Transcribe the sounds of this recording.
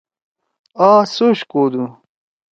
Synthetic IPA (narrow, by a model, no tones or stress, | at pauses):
aːsoɕkoːd̪u